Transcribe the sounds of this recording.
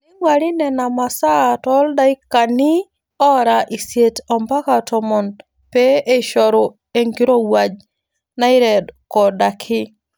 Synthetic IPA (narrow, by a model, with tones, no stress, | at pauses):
i˦ŋwa˨ɾi˦nɛ˨na˨ma˨saː˦˨tɔ˦lda˦i˦ka˨ni˦ | ɔ˦ɾa˨ʔi˨sje˨tɔ˨mba˦ka˨tʰɔ˨mɔ˨n | pe˦ʔe˦ʃɔ˨ɾo˨ | e˨ŋɡi˦ɾo˦wa˨d͡ʒ | na˦ɪ˦ɾɛ˨dkɔ˨da˨kʰɪ˦